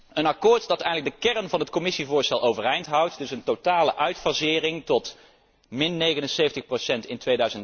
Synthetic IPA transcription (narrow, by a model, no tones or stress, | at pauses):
ənɑkʊːɹtdɑtɛjndləɡ̚dəkɛrənvɑnɦətkomɪsivʊːɹstɛlˠowvərɛjntɦʌwtdɵsəntotaːləʔœɥtfɑzɪːrɪŋtɔt | mɪnːejɣənənsejfəntəχprosɛntɪntʋejdœɥzən